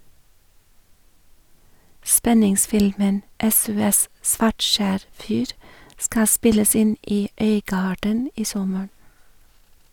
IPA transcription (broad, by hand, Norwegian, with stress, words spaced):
ˈspɛnɪŋˌsfɪlmən ˈɛsʊˌɛs ˈsʋɑʈˌʃæːɾ ˈfyːɾ ˈskɑː ˈspɪləs ˈɪn ˈiː ˈœʏˌɡɑːɖən ˈiː ˈsɔməɹ